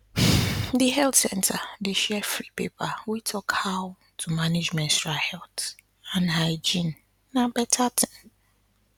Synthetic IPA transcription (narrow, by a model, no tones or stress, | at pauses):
diɦɛltsɛ̃ntʰadeʃɛfɾipḛpʰawitʰɔkhaʊ | tʰumãned͡ʒmɛ̃nstɹahɛlt | ãnhaɪd͡ʒĩnː | ãbɛtʰatʰɪ̃n